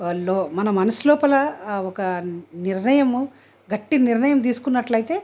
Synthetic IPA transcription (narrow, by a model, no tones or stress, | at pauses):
lːmɐnɐmɐnɐslɔːpɐlɐɔkɐniɾɳɐjɐm | ɡɐʈːiniɾnɐjɐmt̪̬iːsu̥kunːɐʈlɐjit̪e̞ː